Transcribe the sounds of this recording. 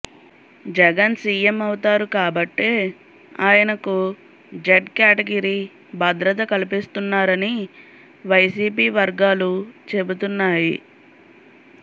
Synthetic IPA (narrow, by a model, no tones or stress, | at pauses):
d͡ʒɛɡɐnsiːemɐwut̪aːɾukaːbɐʈːeː | aːjɐnɐku | d͡ʒeɖkaːʈeɡɐɾiː | bʱɐd̪ɾɐt̪̬ɐkɐlipist̪unːaːɾɐni | ʋɐjsiːpiːʋɐɾɡaːlut͡ʃe̞but̪̬unːaːjḭ